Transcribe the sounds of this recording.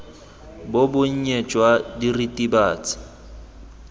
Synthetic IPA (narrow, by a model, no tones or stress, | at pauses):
bʊbʊɲ̩ɲet͡ʃʼwadiritʼibaːt͡sʼɪ̥